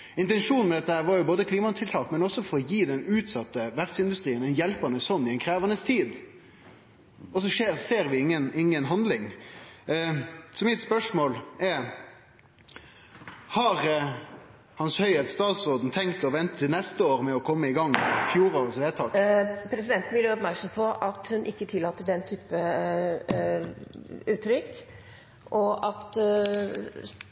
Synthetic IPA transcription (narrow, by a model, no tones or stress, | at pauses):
ɪnt̪ɛnʂuːnmɛd̪ɛt̪ːəhæːɾʋɑɾjʊboːd̪əkʰliːmɑt̪ʰɪlt̪ʰɑːkmɛnɔsːɔfɔɾɔjiːd̪ɛnʉːt̪sɑt̪ːəʋæɾsɪnd̪ʉst̪ɾiːənɛnjɛlpɑnəsɔnːɪɛɪnkʰɾeːʋɑnəst̪ʰiːd̪ | ɔsɔʂeːseːɾʋɪɪŋːənɪŋːənɦɑnd̪lɪŋ | sɔmɪt̪spœʂmoːlɛ | hɑɾ | hɑnshœʏɛt̪st̪ɑːt̪sɔɾd̪n̩t̪ʰɛŋkt̪ɔʋɛnt̪ət̪ʰɪlnɛst̪əoːɾmɛɔkʰɔmːəɪɡɑŋːfjuːɾoːɾəsʋeːt̪ʰɑːkpʰɾɛsɪd̪ɛnt̪n̩ʋɪlɔpmæɾksɔmpʰɔʔɑt̪hʉnʔɪkːət̪ʰɪlːɑːt̪ːəɖɛnːt̪ʰyːpə | ʉːt̪ɾʏk | ʔɔʔɑt̪